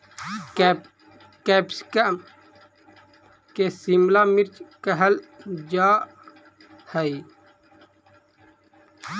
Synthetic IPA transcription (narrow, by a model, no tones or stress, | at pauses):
kepskəm | kesimlamiɾt͡ʃkəɦəld͡ʒaː | həi